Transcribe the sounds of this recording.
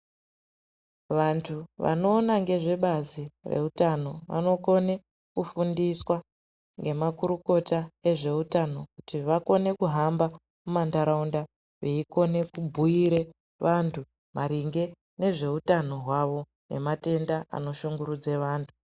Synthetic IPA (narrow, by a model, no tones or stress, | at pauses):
ʋantʰuʋa̰no̞ːnaŋɡe̞ʐe̞ɓazire̞̰utano̞ʋa̰no̞ko̞ne̞ | kufundiswa | ŋɡe̞makuɾuko̞tae̞ʐe̞utano̞kutiʋako̞ne̞kuɦamba | mumandaɾaunda | ʋeiko̞ne̞kubʱuiɾe̞ | ʋʔantʰu | maɾiŋɡe̞ | ne̞ʐe̞utano̞ɦwaʋo̞ | ne̞̰mate̞ndaa̰no̞ʃuŋɡuɾud͡ze̞ʋaːntʰu̥